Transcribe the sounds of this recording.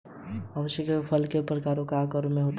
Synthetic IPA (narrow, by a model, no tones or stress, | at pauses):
ɐʋəʃjəkepʰɐlkepɾəkaːɾõkaːkəɾomẽɦoːt̪